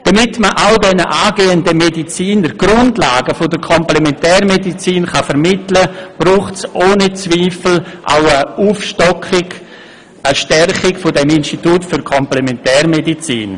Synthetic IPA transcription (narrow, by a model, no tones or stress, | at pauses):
d̥ɐmɪtməʔawdɛnəʔaːɡeːəndəmedit͡siːndəɾɡ̥ɾʊndlaːɡəfʊdəɾkʰɔmplɛmɛntɛːɾmedit͡siːnχafəɾmɪtləb̥ɾuːχtsʔoːnit͡sviːfl̩ʔa̰ʊəuːfʃtɔkɪɡ | ʔəʃtɛrχɪɡfʊdɛminʃtituːtfʏɾkʰɔmplɛmɛntɛːɾmedit͡sḭːn